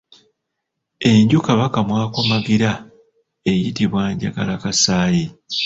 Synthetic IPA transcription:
e̞ɲɟukaβakamwaːko̞maɡiɾa | e̞jitiβwaːɲɟa̰ɡa̰lakasaːji

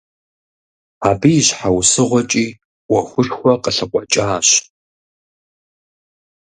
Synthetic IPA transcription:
aːbijɪɕħawsɨʁʷɔt͡ʃʼiː | wɐxʷʊʃxʷɔqəɬɨqʷʼɔt͡ʃʼaːɕ

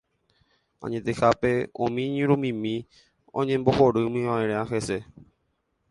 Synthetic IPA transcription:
ã̰ɲẽt̪exapeõ̰mĩɲĩɾumĩmĩ | ɔ̰̃ɲẽmboxɔɾɨmĩãĩɾẽãxɛsɛ

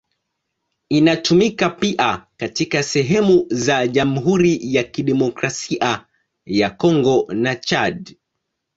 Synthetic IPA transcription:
inatumikapiʔakatikasɛɦɛmuzaʄam̩ɦuɾijakiɗɛmɔkɾasiʔa | jakɔŋɡɔnat͡ʃaɗ

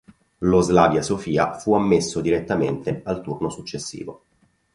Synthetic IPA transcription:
lozlaːvjasofiːa̰fuamːesːod̪iɾet̪ːamḛnt̪ealt̪urnosut͡ʃːesːḭːvo̰

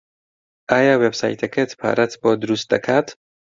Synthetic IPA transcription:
aːjawebsa̰jt̪ʰekʰet̪ʰpʰa̰ːɾat̪ʰbɔːd̪uɾust̪̚d̪ɐkʰat̪

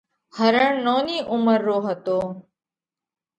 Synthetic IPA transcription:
həɾəɳnoːniːʔʊməɾːoːɦət̪oː

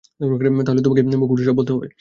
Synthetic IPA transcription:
pɾokɾamet̪aɦolet̪omak̬epnebokuʈiʃɔbɦot̪eɦɔbḛ

